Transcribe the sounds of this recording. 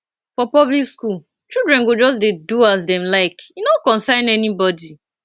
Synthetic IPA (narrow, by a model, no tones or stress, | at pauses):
fɔpɔblikskul | t͡ʃildɹɛ̃nɡod͡ʒɔs̬deduazdɛ̃mlaɪkjinɔkɔ̃nsãɪ̃nɛnibɔdi